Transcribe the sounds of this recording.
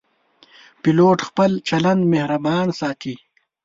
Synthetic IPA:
piloːʈxpəlt͡ʃɐlɐnd̪mehɾɐbɑːnsaːt̪ʰi

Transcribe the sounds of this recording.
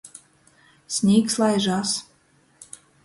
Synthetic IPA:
sʲnʲikslˠɑjʒɑs

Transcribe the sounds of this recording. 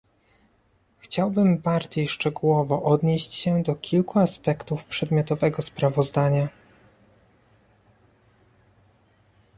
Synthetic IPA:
xt͡ɕawbɘmbaɾd͡ʑejʂt͡ʂɛɡuwɔvɔʔɔd̪ɲeɕt͡ɕɕɛd̪ɔkʲʰilkuaspɛkt̪ufpʂɛd̪mʲjɔt̪ɔvɛɡɔspɾavɔzd̪aɲa

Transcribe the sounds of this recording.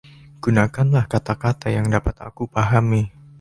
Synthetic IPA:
ɡ̥unakanlahkat̪akat̪ajaŋdapat̪a̰kupaɦami

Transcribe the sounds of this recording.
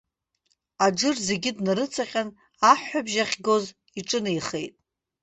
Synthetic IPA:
ad͡ʒɨrze̞ɡʲɪdnaɾɨt͡sʰaqʲʼan | aħːabʒaχʲɡo̞z | iʈ͡ʂʼɨnaiχe̞̰jtʼ

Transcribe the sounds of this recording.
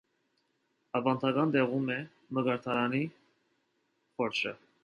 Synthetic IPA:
ɑvɑnt̪ʰɑɡɑnd̪ɛʁumɛ | məɡɑɾt̪ʰɑɾɑni | χɔɾt͡ʃʰə̰

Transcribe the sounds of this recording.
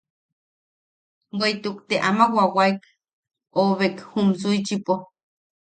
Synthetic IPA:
weit̪ukt̪eʔamawawaik | oβekhumsuit͡ʃipo

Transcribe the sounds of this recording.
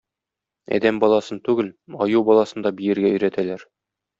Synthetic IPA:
æ̰d̪æmbɒlˠɑsɤnt̪ʉɡɘlɒjuwbɒlˠɑsɤ̆nd̪ɑbijɘ̆ɾɡæɵ̆jɾæt̪ʰælæɾ

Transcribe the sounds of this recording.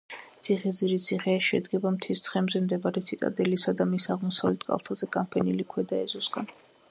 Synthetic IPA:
t̪sʰiʁɛd̪ziɾit̪sʰiχɛaʃɛ̰d̪ɡɛbamt̪ʰist̪ʰχɛmzɛmd̪ɛbaɾɛt̪sʰit̪ʼa̰d̪ɛlisad̪amisaʁmɔsavlɛt̪ʰkʼa̰lˠt̪ʰazɛɡʼampʰɛnilikʰwɛd̪aɛzɔsɡa̰n

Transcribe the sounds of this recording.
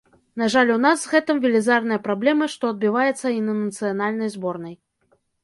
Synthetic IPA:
naʐalʲun̪azɣɛt̪ɨmvʲɪlʲizarnɨjɐpɾablʲɛmɨʂt̪ɔɐd̪̚bʲivajɛt̪sːɐinɐnɐt̪sɨjanalʲnɐjzbɔrnɐj

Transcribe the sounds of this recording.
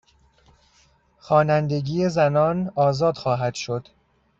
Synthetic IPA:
xɒːnænd̪e̞ɟiːjezænɒːnɒːzɒːd̪̥xɒːɦæd̪̥ʃo̞d̪̥

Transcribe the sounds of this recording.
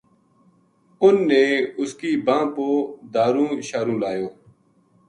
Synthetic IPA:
ʊnːeːʊskiːbãːpoːd̪aːɾũːʃaːɾũːlaːjoː

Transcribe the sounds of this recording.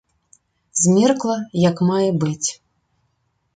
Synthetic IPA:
zʲmʲɛrklˠɐjɐkmajɛbɨt͡sʲ

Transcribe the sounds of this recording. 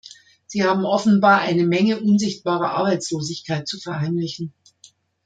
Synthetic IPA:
z̥iːhaːbm̩ʔɔfn̩baːɐʔaɪnəmɛŋəʔʊnzɪçt̚b̥aːʁɐʔa̰ɐbaɪt͡sloːzɪçkʰaɪt̚t͡sufɛɐhaɪmlɪçn̩

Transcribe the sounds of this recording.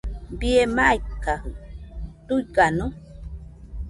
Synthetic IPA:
biemajkːahɨt̪ujkanu

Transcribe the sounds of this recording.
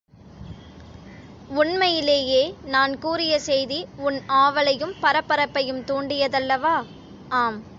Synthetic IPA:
ʊɳmɐjɪleːjeːnaːnkuːɾɪjɐsɛjðiʊnaːʋɐɭɐjɯmpɐɾɐpːɐɾɐpːɐjɯmt̪uːɳɖɪjɐðɐlːɐʋaː | aːm

